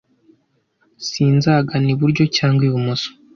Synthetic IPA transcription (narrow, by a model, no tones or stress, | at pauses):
siːnzaɡaniβuɾɟo̞caːŋɡwiːβumuso̥